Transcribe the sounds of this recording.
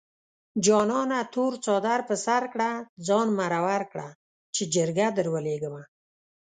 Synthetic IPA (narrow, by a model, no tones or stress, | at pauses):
d͡ʒɑnɑnat̪oɾt͡sɑd̪aɾpəsaɾkɽad͡zɑnmaɾawaɾkɽa | t͡ʃed͡ʒəɾɡad̪əɾwəleɡəma